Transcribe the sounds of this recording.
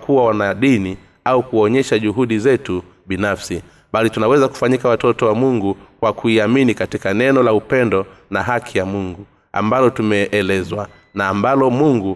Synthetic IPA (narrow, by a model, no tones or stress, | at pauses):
kuwawanaɗini | aukuɔɲɛʃaʄuɦuɗizɛtu | ɓinafsi | ɓalitunawɛzaku̥faɲikawatɔtɔwamuŋɡukwakuiaminikatikanɛnɔlaupɛndɔnaɦakʰijamuŋɡu | a̰mbalɔtumɛʔːlɛzwa | naːmbalɔmuŋɡu